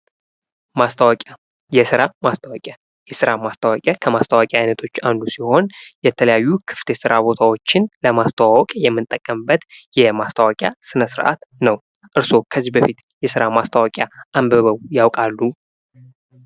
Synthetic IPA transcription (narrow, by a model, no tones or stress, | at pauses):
mast̪ʰəwakʼa | jɛsɨɾamast̪ʰawɔkʼja | jɛsɨɾamast̪ʰəwakʼjakʰəmast̪ʰəwakʼjaʔajnət̪ʰo̞t͡ʃːand̪usiho̞njɛt̪ʰələjajːukʰɨ̥ft̪ʰesɨɾʔabo̞t̪ʰawo̞t͡ʃːɪnləmast̪ʰəwawɔkʼjɛmːɨnt̪ʼəkʼːəmbət̪jɛmast̪ʰəwakʼja̰sɨnəsɨɾʔa̰t̪nəw | ʔɨɾso̞kʰəzːihbəfit̪ | jɛsɨɾamast̪ʰawakʼjaʔambəβəβjawkʼalːu